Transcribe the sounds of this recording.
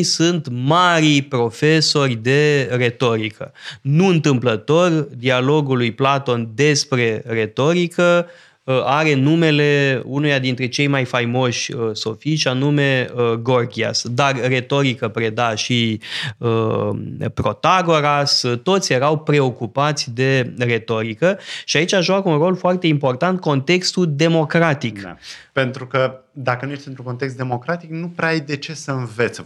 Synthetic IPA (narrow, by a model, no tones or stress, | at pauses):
sunt̪maɾijpɾo̞fe̞so̞rʲd̪e̞re̞t̪o̞ɾikʰə̰nuɨnt̪ɨmplət̪o̞rd̪ialo̞ɡulujplat̪o̞nd̪e̞spɾe̞re̞t̪o̞ɾikə | aɾe̞nume̞le̞unujad̪int̪ɾe̞t͡ʃe̞jmajfajmo̞ʃʲəso̞fiʃʲanume̞əɡo̞rɡʲia̰sd̪arre̞t̪o̞ɾikəpɾe̞d̪aʃi | ə | pɾo̞t̪aɡo̞ɾast̪o̞t̪sʲje̞ɾawpɾe̞o̞kupat̪sʲd̪e̞re̞t̪o̞ɾikəʃiait͡ʃaʒuakəunro̞lfoart̪e̞impo̞rt̪ant̪̚ko̞nt̪e̞kst̪ud̪e̞mo̞kɾat̪ika̰pe̞nt̪ɾukəd̪akənujeʃt̪ɨnt̪ɾũŋko̞nt̪eks̬t̪d̪e̞mo̞kɾat̪iknupɾajd̪e̞t͡ʃe̞səɨnvet̪s